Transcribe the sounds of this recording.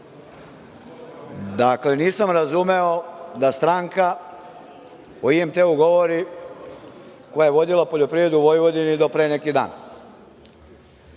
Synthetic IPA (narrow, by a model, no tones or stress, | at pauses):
d̪akle̞niːsamɾazume̞od̪ast̪ɾaːŋka | oiemt̪eːuɡo̞ʋo̞ɾi | ko̞jajeʋo̞d̪ilapoʎo̞pɾiʋɾe̞d̪uʋo̞jiʋo̞d̪inid̪o̞pɾeːenekid̪a̰ːn